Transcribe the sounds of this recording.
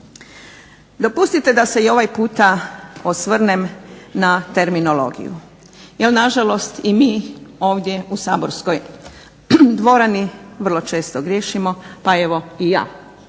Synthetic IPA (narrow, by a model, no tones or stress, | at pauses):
d̪o̞pust̪it̪e̞d̪ase̞io̞ʋajpuːt̪aosʋrnemnat̪e̞ɾmino̞lo̞̰ɡḭjṵ | jelnaʒalo̞st̪imiːo̞ːʋd̪ʲje̞usa̰ːboɾsko̞j | d̪ʋo̞ɾaniʋrlˠo̞t͡ʃe̞ːst̪oɡɾje̞ːʃimo̞pae̞ʋo̞ija̰ː